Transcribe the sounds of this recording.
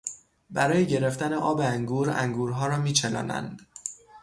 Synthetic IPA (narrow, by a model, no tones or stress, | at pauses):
bæɾɒːjeɟe̞ɾe̞ft̪æne̞ʔɒːbeæŋɡuːɾæ̰ŋɡuːɾɦɒːɾɒːmiːt͡ʃʰelɒ̰ːnæ̰nd̪̥